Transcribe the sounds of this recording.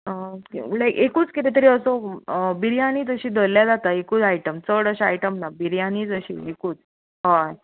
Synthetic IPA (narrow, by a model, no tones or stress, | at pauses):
əlajkekuːt͡skit̪et̪əɾiːəsobiɾjaniːd͡zəɕiːd̪ʱəlːjad͡zat̪aekuːt͡sajʈəmt͡səɽəɕaajʈəmnabiɾjaniːd͡zəɕḭːekuːt͡s | ɦaj